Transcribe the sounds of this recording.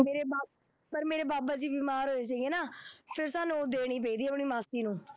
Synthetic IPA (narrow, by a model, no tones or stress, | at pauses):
meːɾeːbaː | pəɾmeːɾeːbaːbaːd͡ʒiːbiːmaːɾɦoːeːt͡ʃaiɡeːnaːpʰɪɾsaːnũːd̪eːɽ̃iːp̬eiːd̪iːəpɳ̃iːmaːsiːnũː